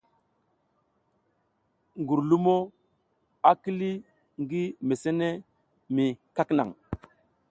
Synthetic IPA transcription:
ŋɡu˨ɾlu˦mo˦ | a˨ki˦li˦ | ŋɡi˦me˨se˦ne˦ | mi˨ka˦kna̰˨ŋ

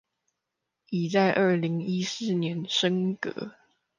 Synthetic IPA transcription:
i˨˩t͡sa˥˧ɪʔə˥˩li˧˦ŋi˦˥s̩˥˩njɛ˨˧˦nʂə˥ŋkɤ̰˧˦

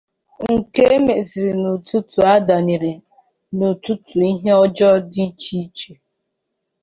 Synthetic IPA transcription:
ŋ̩˨ke˦me˨zi˨ɾi˨nu˨tu˦tu˨a˦da˨ni˨ɾe˨ | nu˨tu˦tu˨i˦ɦe˦ɔ˦d͡ʒɔ˦di˦t͡ʃi˦t͡ʃe˨

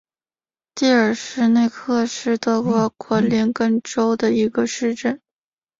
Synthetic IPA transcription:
t̪i˥˩ə˞˨˩ʂɻ̩˥˧ne˥˧ɪkʰɤ˥˧ʂɻ̩˥˧t̪ɤ˥˩kwɔ˧˥kʰwə˧˥nli˧˥nkə˥nʈ͡ʂo˥ʊd̪ə˨i˧˥ɡə˧ʂɻ̩˥˧ʈ͡ʂə˥˩n

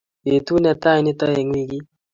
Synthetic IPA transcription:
e˨t̪u˦nɛ˨ta˦i˨nɪ˦ta˦e˨ŋwi˦ɡi˦

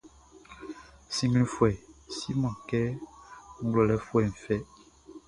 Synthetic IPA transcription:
sĩ˦ŋɡlĩ˦fwɛ˨si˦mã˨kɛ˦ŋ̩˦ɡlo˨lɛ˨fwɛ˨ɱ̩˨fɛ˦

